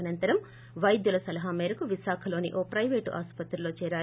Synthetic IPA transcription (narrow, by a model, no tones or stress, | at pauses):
ɐnɐnt̪ɐɾɐm | ʋɐjd̪julɐsɐlɐɦaːmeːɾɐkuʋiʃaːkʰɐlo̞ːnḭʔoːpɾɐjʋeːʈʔa̰ːspɐt̪ɾɐlo̞ːt͡ʃɛːɾaː